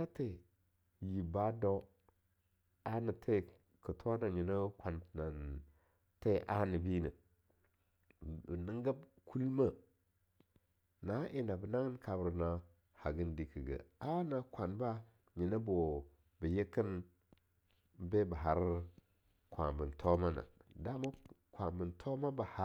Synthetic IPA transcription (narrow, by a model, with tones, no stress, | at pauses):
a˦te˨ | ji˨ba˦do˦ | a˦nə˨tʰe˦˨ | kə˨tʰo˦na˨ɲi˨nə˦kʷa˨n˨na˨n | te˦ʔa˦nə˨bi˦nə˨ | ə˨nə˦ŋɡa˦bkʰu˦lma˦ | na˨˦ʔi˦na˨bə˨na˦ɡə˦nka˨bə˨ɾna˨ | ha˨ɡə˦ndi˨kə˨ɡə̰˨a˦na˨kʷa˨nba˦ | ɲi˨nə˦bo˨ | bə˨je˦kə˦n | be˦bə˨ɦa˨ɾ | kʷa̰˨mbə˨ntʰo˦ma˦na̰˨da˦ma˦kʷa˨mbə˨ntʰo˦ma˦ba˨ha˦